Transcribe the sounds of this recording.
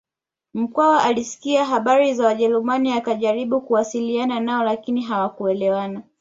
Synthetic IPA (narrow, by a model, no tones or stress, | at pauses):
m̩kwawaʔalisi̥kiaɦaɓaɾizawaʄɛɾumaniakaʄaɾiɓukuwasiliananaɔlakiniɦawakuɛlɛwana